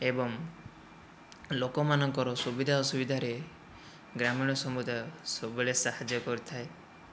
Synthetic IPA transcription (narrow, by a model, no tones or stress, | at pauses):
ebɔŋ | lokɔmanɔŋkɔɾɔsubid̪ʱaɔsubid̪ʱaɾe | ɡɾamiɽ̃ɔsɔmud̪ʱasɔbuɭesahad͡ʒjɔkɔɾit̪ʰae